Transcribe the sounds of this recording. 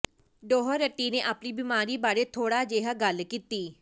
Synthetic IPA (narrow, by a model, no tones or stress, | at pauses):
ɖoːɦəɾəʈːiːneːʔaːpniːbɪmaːɾiːbaːɾeːt̪ʰoːɽaːd͡ʒeːɦaɡəlkiːt̪iː